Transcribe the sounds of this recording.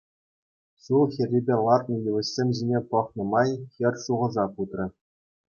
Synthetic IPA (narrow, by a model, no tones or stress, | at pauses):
ɕulˠxʲirʲːibʲelˠɑrt̪nɤ̆julʲɤ̆ɕsʲemʲʑinʲepɤ̆χnɤ̆mɑjxʲɘ̆rʲʂuʁɤ̆zɑkut̪rʲɤ̆